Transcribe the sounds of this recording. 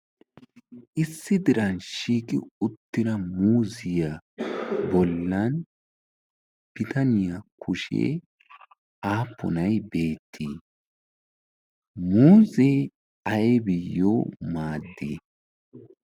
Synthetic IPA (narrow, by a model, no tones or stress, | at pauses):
ʔɪsːɪd̪ɪɾɐnʃiːkʼɪ̰ʊt̪ːɪɾɐmuːzɪja | bɔlːɐn | b̥ɪt̪ʰɐnɪjakʰʊʃḛː | aːpːɔ̰nɐjbe̞ːt̪ʰːiː | muːzɛ | ɐjbɪjːoːmaːd̪ːḭː